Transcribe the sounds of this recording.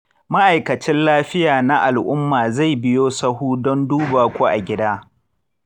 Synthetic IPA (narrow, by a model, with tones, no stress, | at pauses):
ma˦ʔa˨jkɐ˨t͡ʃɪ˦nlaː˦ɸɪ˦jaː˨na˦ʔa˨lʔʊ˦mːaː˨za˦˨jbɪ˦joː˦sɐ˦huː˦dɔ˦nduː˦baː˨kʷoː˦ʔa˨ɡʲɪ˦daː˦